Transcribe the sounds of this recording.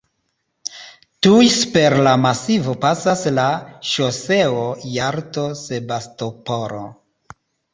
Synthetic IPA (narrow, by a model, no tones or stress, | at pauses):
tujspe̞ɾlamasivo̞pasaslaʃose̞ojaɾto̞se̞bastopoɾo̰